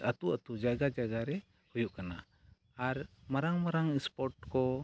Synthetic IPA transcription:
at̪uʔat̪ud͡ʒaɡad͡ʒaɡaɾɛ | hujuʔkana̰ | aɾmaɾaŋmaɾaŋispɔɾʈkɔ

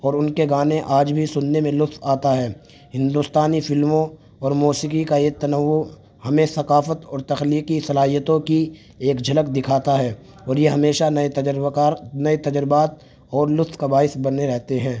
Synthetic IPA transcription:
ɔːɾʊnkeɡaːnẽʔaːd͡ʒbʱisʊnːemẽlʊt̪t̪aːt̪aɦɛː | ɦɪ̃nd̪ʊst̪aːnifɪlmõ | ɔːɾmuːsikikaeːt̪ɐnəʋːo | hɐmẽsɐkaːfət̪ɔːɾt̪ɐxliːkisɐlaːɦijət̪õki | eːkd͡ʒʱɐlək̚d̪ɪkʰaːt̪aɦɛː | ɔːɾjeɦɐmeːʃanɐeanɐet̪ɐd͡ʒɾbaːt̪̚ | ɔːɾlʊt̪ʰkabaːɪsbɐnːeɾɛɦt̪eɦɛ̃ː

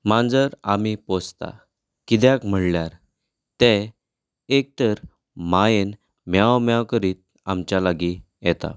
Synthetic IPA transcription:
mãnd͡zəɾamipɔst̪a̰ | kid̪jakm̤əɽljaɾ | t̪e | ek̚t̪əɾ | majen | mjawmjawkəɾiːt̪̚ | amt͡ɕjalaɡi | jɛt̪a̰

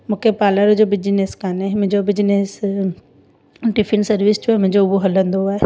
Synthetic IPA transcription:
mʊ̃kʰepaːləɾd͡ʑobɪd͡ʑneːskaːnemʊ̃ɦɲd͡ʑobɪd͡ʑnes | ʈɪfʰɪnsɐɾʋɪsd͡ʑoːɦɛmʊ̃ɦɲd͡ʑoʊboɦɐlə̃nd̪oaːɦe

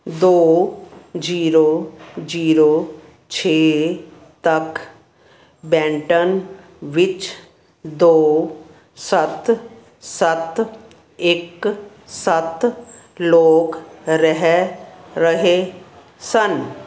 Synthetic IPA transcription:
d̪oː | d͡ʒiːɾod͡ʒiːɾoː | t͡ʃʰeː | t̪ɐk | bɛ̃ːɳʈən | ʋɪt͡ʃ | d̪oː | sət̪ | sət̪ | ɪk | sət̪loːkɾəɦɛɾəɦe | sən

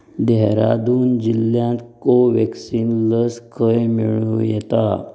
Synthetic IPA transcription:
d̪ɛɦɾa̰d̪uːnd͡ʑiljãnt̪koʋɛksinləskʰəjmiɭujɛt̪a

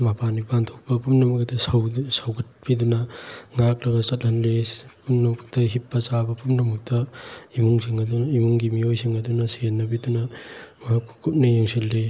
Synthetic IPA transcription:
mapʰanipantʰok̚pɐpʰumnɐmɐk̚dɐsɐwsawɡɐt̚pidunɐŋak̚lɐɡɐt͡ʃɐt̚hɐnlepʰumnɐmɐk̚tɐɦipːɐt͡ʃabɐpʰumnɐmɐk̚tɐimuŋsiŋɐdunimuŋɡimiojsiŋɐdunɐsienːɐbidunɐmɐɦakkʰu̥kʰup̚nɐjeŋsilːe

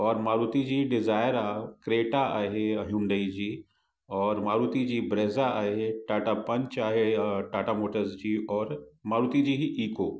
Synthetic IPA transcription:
ɔːɾmaːɾuːt̪id͡ʑiːɖɪzaːɪɾaːkɾeːʈaaːɦeɐɦũɳɖ̪əid͡ʑiː | ɔːɾmaːɾuːt̪id͡ʑiːbɾeːzaaːɦeʈaːʈapɐ̃ɲt͡ʃaːɦeʈaːʈamoːʈəɾzd͡ʑiːɔːɾmaːɾuːt̪id͡ʑiːɦiʔiːkoː

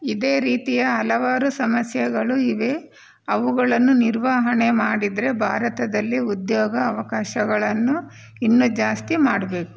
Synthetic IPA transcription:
id̪e̞ːɾiːt̪ijɐɦɐlɐʋaːɾusɐmɐsjɐɡɐɭuiʋe̞ | ɐʋuɡɐɭɐnːuniɾʋaːɦɐɳe̞maːɽid̪ɾe̞bʱaːɾɐt̪ɐd̪ɐlːiud̪joːɡɐːʋɐkaːʃɐɡɐɭɐnːu | inːud͡ʒaːst̪imaːɽɐbe̞ːku̥

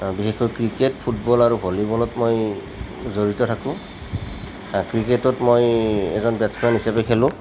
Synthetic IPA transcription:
bixexkɔjkɹiketpʰutbɔlaɹubʱolibɔlɔtmoj | zoɹitɔtʰakʊ̃ | akɹiketɔtmojɛ̰zɔnbɛsmanisapekʰɛlʊ̃

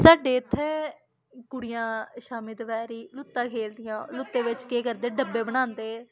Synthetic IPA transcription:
saːɖeːt̪ʰːɛː | kʊɽɪjãːʃaːmɪd̪ʋɛːɾiːlʊt̪ːãːkʰeːld̪ɪjãːlʊt̪ːẽːʋɪt͡ʃkeːkəɾd̪eːɖəbeːbəñãːnd̪eː

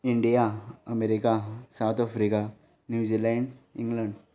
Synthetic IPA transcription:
iɳɖijaəmeɾikasawt̪ʰɔfɾika | njud͡ʑilɛ̃ɳɖḭ̃ŋɡləɳɖ

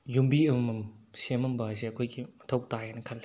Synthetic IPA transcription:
jumbiɐmmɐmsemɐmbaseɐkʰojɡimɐtʰɐwtajanɐkʰɐnlːe̥

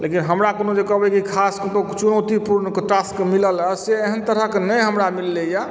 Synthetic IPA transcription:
lekinɦəmɾakonod͡ʒekəbɛkikʰasktot͡ʃunəwt̪ipuɾnəkeʈaskmilələseeɦənt̪əɾəɦkenəjɦəmɾamilːeja

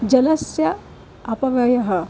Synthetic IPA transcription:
d͡ʒɐlɐsjɐ | ɐpɐʋɐjɐɦɐ

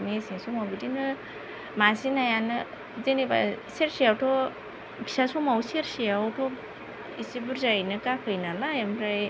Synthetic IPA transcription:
nesinsumabidinɯ | masinajanɯ | zeneba̰seɾsijawtʰɔ | bʰi̥sasumawseɾsijawtʰɔ | isibuɾzajnɯkakʰɯjnalaemɾaj

